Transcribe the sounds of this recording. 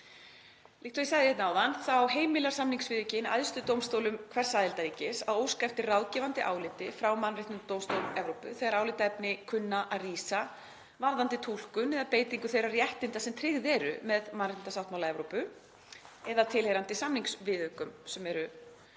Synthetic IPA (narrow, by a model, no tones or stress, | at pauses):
likt̪ɔisaɣðɪjɛt̪naːwðanθawɦeːjmɪlaɾ̥samniŋksvɪðʏcɪna̰jðst̪ʏt̪owmst̪owlʏmkʰvɛr̥saːðɪlt̪aɾiːcɪsawoːwskajft̪ɪrawðcɛvant̪ɪʔa̰ːwlɪt̪ɪfɾawmanrɪt̪ʏt̪owmst̪owlɛvɾowpʏ̰θɛɣaɾaːwlɪt̪aɛpnɪkʰʏnːaʔariːsa | vaɾðant̪ɪt̪ʰul̥kʏnɛðapeːjt̪iŋkʏθejɾarjɛht̪ɪnt̪asɛmt̪ʰɾɪɣðɛɾʏ̰mɛðmanrɪnasawht̪mawlaɛvɾowpʏ | ɛðat̪ʰɪlhejɾant̪ɪsamniŋksvɪðhʏkʏmsɛmɛɾʏ